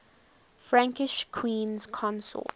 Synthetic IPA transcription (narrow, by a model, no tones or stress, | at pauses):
fɹãŋkɪʃkʰwĩːnz̥kʰɔ̃nsɔ̰t